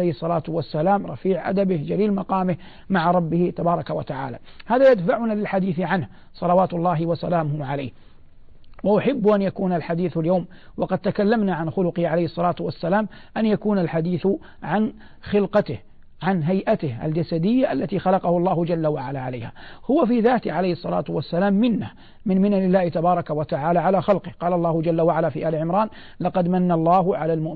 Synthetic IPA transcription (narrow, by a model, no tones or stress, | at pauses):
ejhsˤːɑlaːt̪ʊwasːalaːmɾˤɑfiːʕʔa̰d̪abɪhd͡ʒaliːlmɑqɑːmɪh | maʕaɾˤɑbːɪhɪt̪ɑbɑːɾˤɑkawat̪aʕa̰ːla̰ː | haːðajad̪faʕʊnalɪlħad̪iːθʕanh | sˤɑlɑwaːt̪ʊlˤːɑːɦɪwasa̰laːmʊhʊʕalaːh | waʔʊħɪbːʔanjakuːnalħad̪iːθaljawm | wɑqɑd̪̚t̪akalːamnaʕanxʊlʊqɪhʕalajhɪsˤːɑlaːt̪wasːalaːm | ʔanjakuːnalħad̪iːθʊ | ʕan | xɪlqɑt̪ɪh | ʕanɦajʔat̪ɪhʔa̰ld͡ʒasad̪ɪjːaʔalːat̪iːxɑlɑqɑhʊlˤːɑːhʊd͡ʒalːawaʕalaːʕala̰jha̰ːhʊwafiːðaːt̪ɪʕalajhsˤːɑla̰ːt̪ʊwasːalaːmːɪnːa | mɪnmɪnalɪlːaːhɪt̪abɑːɾˤɑkawat̪aʕaːlaʕalaːxɑlqɪhqɑːlɑlˤːɑːhʊd͡ʒalːawaʕalaːfiːʔaːlɪʕɪmɾˤɑːn | lɑqɑd̪manːalˤːɑːɦʊʕalaːlmʊʔ